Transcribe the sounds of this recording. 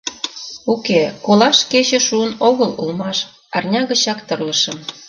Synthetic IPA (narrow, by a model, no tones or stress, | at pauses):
ukekolɑʃket͡ɕĕʃuənoɣəlulmɑʃ | ɑrnʲɑɣə̆t͡ɕɑkt̪ə̆rləʃə̆m